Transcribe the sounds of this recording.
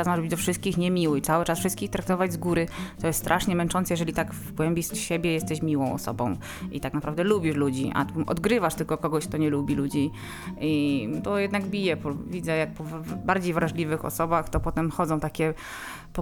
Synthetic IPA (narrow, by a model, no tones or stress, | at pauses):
asmaʐɛbɘd͡ʑd̪ɔfʂɘst̪̚kʲixɲɛmʲiwɘtsawɘt͡ʂasfʂɘst̪kʲixt̪ɾak̚t̪ɔvad͡ʑzɡuɾɘt̪ɔjɛst̪st̪ɾʔaʂɲɛmɛnt͡ʂɔnt̪sɛjɛʐɛlʲit̪aɡvvɡwɛmʲbʲiʂt̪ɕɛbʲjɛjɛst̪ɛɕmʲiwɔ̃w̃ɔ̰sɔ̰bɔ̰̃w̃ | ʔḭt̪aknapɾavd̪ɛlubʲiʂlud͡ʑiʔa̰t̪ʔɔ̰d̪ɡɾɘvaʂt̪ɘlkɔkɔɡɔɕk̚t̪ɔɲɛlubʲilud͡ʑi | it̪ɔjɛd̪naɡbʲijɛpɔvʲid̪zɛjak̚pɔvbaɾd͡ʑejvɾaʐlʲivɘxɔ̰sɔbaxt̪ɔpɔt̪ɛmxɔd̪zɔ̃w̃t̪akʲɛ | pɔ